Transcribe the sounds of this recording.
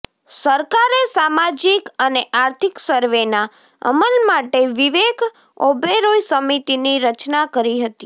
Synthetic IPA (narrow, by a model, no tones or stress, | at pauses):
səɾkaɾesamad͡ʒikəneʔaɾt̪ʰiksəɾʋena | ə̰məlmaʈeʋiʋeɡ | obeɾojsəmit̪iniɾət͡ʃnakəɾiɦət̪i